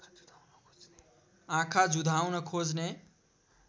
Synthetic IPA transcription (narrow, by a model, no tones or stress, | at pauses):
ãkʰad͡ʒud̪ʱawnəkʰod͡ʒne